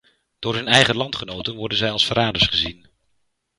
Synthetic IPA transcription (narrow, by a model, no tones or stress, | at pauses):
d̥ʊːɹɦɵnɛjχəlɑntχənowtənʋɔɹdənzɛjɑlˠsfəɾaːdəɹsχəzin